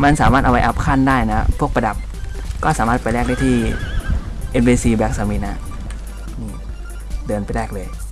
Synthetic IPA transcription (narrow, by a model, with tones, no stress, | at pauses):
ma˧nsaː˩˦maː˥˩t̪ʔa˧wa˧jʔa˦˧˥p̚kʰaː˥˩ndaː˥˩jna˦˥pʰu˥˩k̚pɾa˧da˨˩p̚ | kɔː˥˩saː˩˦maː˥˩t̪̚pa˧jɾɛː˥˩k̚da˥˩t̪ʰiː˥˩ | ʔe˧nbiː˧siː˧bɛː˦˥k̚sa˧˩mi˦t̪̚na˦˥ʔ | ʔɯː˧˩m | dɤː˧npa˧jlɛː˥˩k̚lɤː˧j